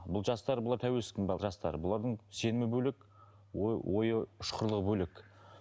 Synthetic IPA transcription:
bʊlˠʒɑst̪ɑɾbʊlˠɑɾt̪ʰæwe̞lsɪ̥skʲenbɑʒɑst̪ɑ̰ɾəbʊlˠɑɾd̪əɴse̞nɪmɪbɵlek | wojwʔo̞jəʊʃqʰəɾlˠəʁbɵlek

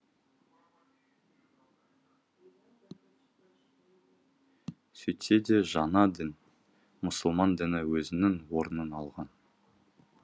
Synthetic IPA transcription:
sɵjt̪e̞d̪eʒɑnɑd̪ɪn | mʊsəlˠmɑnd̪ɪnɪwɵzɪnɪŋwo̞ɾənənɑlˠʁɑn

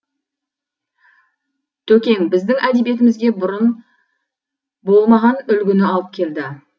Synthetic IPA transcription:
t̪ʰɵkʲe̞ŋbɪzd̪ɪŋæd̪e̞bije̞t̪ɪmɪzɡʲe̞bʊɾən | bo̞lˠmɑʁɑnʏlɡʲɪnɪɑlˠəp̚kʲʰe̞ld̪ɪ

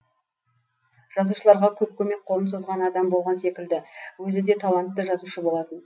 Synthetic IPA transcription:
ʒ̥ɑzuʃəlˠɑɾʁɑkʲʰɵp̚kʲʰɵme̞k̚qʰoənso̞zʁɑnɑd̪ɑmbo̞lˠʁɑnse̞kʲɪld̪ɪwɵzɪd̪e̞t̪ʰɑlˠɑnt̪ːəʒɑzuʃəbo̞lˠɑt̪ən

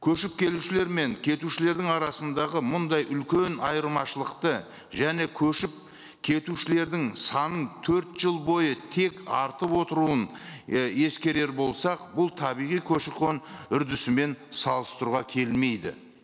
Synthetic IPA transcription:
kʲʰɵʃɪp̚kʲʰe̞luʃɪleɾme̞ŋkʲʰe̞t̪uʃɪle̞ɾd̪ɪŋɑɾɑsənd̪ɑʁəmʊnd̪ɑjʔʏlkʲe̞nɑjəɾmɑʃəlˠəqt̪ə | ʒæne̞kʲʰɵʃɪp̚ | kʲʰe̞t̪uʃɪle̞ɾd̪ɪŋsɑnənt̪ʰɵɾt̪ʒ̥əlˠbo̞jət̪ʰe̞kɑ̰ɾt̪əpwo̞t̪əɾuən | e̞skʲe̞ɾe̞ɾbo̞lˠsɑqbʊlˠt̪ʰɑbijʁijkʲʰɵʃɪqonʏɾd̪ɪsɪme̞nsɑlˠəst̪əɾuʁɑkʲʰe̞lme̞jd̪ɪ̰

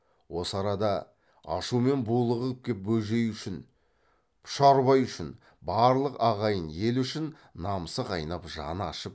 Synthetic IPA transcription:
wo̞səɑɾɑd̪ɑ | ɑ̰ʃume̞nbulˠəʁəlp̚kʲʰe̞p̚bɵlʒe̞jʏʃɪn | pʰʃɑɾβɑjʏʃɪn | bɑɾlˠəqɑʁɑjənje̞lʏʃɪnː | ɑməsəqɑ̰jnɑpʒɑ̰nɑ̰ʃəp̚

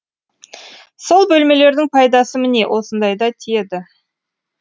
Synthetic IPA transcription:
so̞lˠbɵlme̞le̞ɾd̪ɪŋpʰɑjd̪ɑsəmɪne̞wʔo̞sənd̪ɑjd̪ɑt̪ʰijed̪ɪ

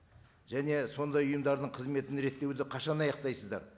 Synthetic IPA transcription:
ʒæne̞so̞nd̪ɑjʊjəmd̪ɑɾd̪əɴqʰəzme̞t̪ɪnɾe̞t̪ːe̞wd̪ɪqʰɑʃɑnɑjɑqt̪ɑjsəzd̪ɑ̰ɾ

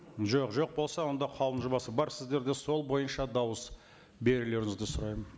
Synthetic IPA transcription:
ʒo̞qʒo̞q̚bo̞lˠsɑwo̞nd̪ɑqʰɑwənʒʊbɑsəbɑɾsɪzd̪e̞ɾd̪e̞so̞lˠbo̞jənʃɑd̪ɑwəs | be̞ɾɪle̞ɾɪŋɪzd̪ɪsʊɾɑjmən

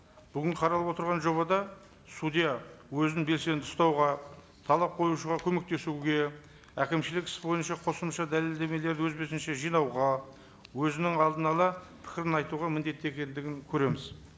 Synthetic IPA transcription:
b̥ʏɡʲɪɴqʰɑɾɑlˠəpwo̞t̪əɾʁɑnʒo̞βɑd̪ɑ | sud̪ijawɵznɪŋbe̞lse̞nt̪ʰʊst̪ɑwʁɑ | t̪ʰɑlˠɑp̚qʰo̞juʃəʁɑkʲʰɵme̞k̚t̪e̞suɡʲe̞ | ækʲɪmʃɪlɪkʲʰɪ̥sbo̞jənʃɑqʰo̞səmʃɑd̪æle̞ld̪e̞me̞le̞ɾd̪ɪwɵzbe̞sɪnʃe̞ʒijnɑwʁɑ | wɵzɪnɪŋɑlˠd̪ənɑlˠɑ | pʰɪ̥kʲɪɾɪnɑjt̪uʁɑmɪnd̪e̞t̪ːe̞kʲe̞nd̪ɪɡʲɪŋkʲʰɵɾe̞mɪz

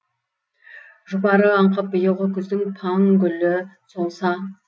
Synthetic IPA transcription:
ʒʊbɑɾəɑɴqəp̚bʊjəʁəkʲʰʏzd̪ɪŋpʰɑŋɡʲʏlɪsolˠsɑ

